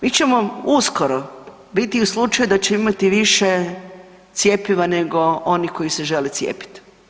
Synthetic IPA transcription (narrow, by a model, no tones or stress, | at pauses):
mit͡ɕe̞mo̞uskoɾo | bit̪iuslˠut͡ʃajud̪at͡ɕeimat̪iʋiʃe | t̪sje̞piʋane̞ɡo̞ʔo̞niko̞ise̞ʒe̞let̪sʲjḛːpi̥t̪